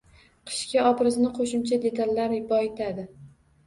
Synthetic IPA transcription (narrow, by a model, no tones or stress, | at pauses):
qʰɨ̥ʃkʲaɒpɾɪznɪqʰoʃɪmt͡ʃʰad̪e̞t̪ʰalːaɾɪbɒet̪ʰad̪ɪ